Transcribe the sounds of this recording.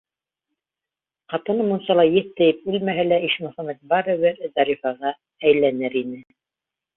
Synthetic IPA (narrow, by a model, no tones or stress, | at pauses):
qɑt̪ɤ̆nɤmunsɑlˠɑjɘθt̪ːæjɘp̚ɘlmæɦælæiʃmʊ̆χɑmæt̪̚bɑɾɤ̆βɘɾd̪ɑɾifɑʁɑ | æjlænɘɾinɘ